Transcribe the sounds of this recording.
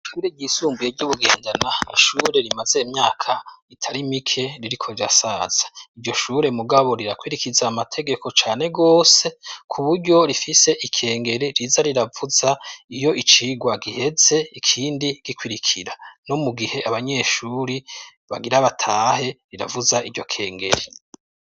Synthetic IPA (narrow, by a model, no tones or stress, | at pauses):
ʃʃuːɾeɟisuːmbujeɾɟuβuɡeːndanaiʃuːɾe̞ɾimaze̞imɲaːkʰaitʰaɾimikʰe̞ɾiɾikʰo̞ɾiɾa̰saːz̥ḁiɾɟo̞ʃuɾe̞muɡaβo̞ɾiɾakwiɾikizaːmatʰe̞ɡe̞ko̞t͡ʃaːne̞ɡo̞ːse̞kʰuβuɾɟo̞ɾifise̞ʔikʰe̞ːŋɡe̞ɾiɾizaɾiɾavuzaijo̞ʔit͡ʃiɡwaɡihe̞ze̞ikʰiːndiɡ̥ikwiɾikʰiɾano̞muɡihe̞ʔaβaɲe̞ʃuːɾi | βa̰ɡiɾaβatʰaːhe̞ɾiɾavuzaʔiɾɟo̞kʰe̞ːŋɡe̞ɾi